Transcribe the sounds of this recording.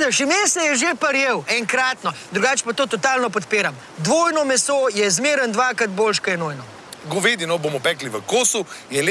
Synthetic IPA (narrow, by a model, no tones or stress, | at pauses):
d̪ɛʃimeːsɛjɛʒepɐɾjeːwɛŋkɾaːt̪nɔd̪ɾuɡaːt͡ʃpat̪oːt̪ɔt̪aːlnɔp̬ɔt̪peːɾam | d̪ʋoːjnɔmɛsojɛzmeːɾənd̪ʋaːkɾat̪boːlʃkɐjɛnojnɔ | ɡɔʋeːd̪inɔbomɔpɛːkliʋəkoːsujɛl